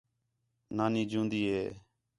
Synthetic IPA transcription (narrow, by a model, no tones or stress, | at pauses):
naːnĩːd͡ʒũːnd̪iːɦeː